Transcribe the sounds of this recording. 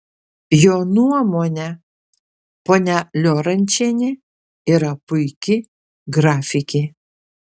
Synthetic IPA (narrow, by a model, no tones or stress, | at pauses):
joːnuɔmoːnʲɛ | poːnʲælʲoːɾɐnʲt͡ʃʲenʲɪ | iːɾɐpʊɪkʲɪ | ɡɾɑːfʲɪkʲe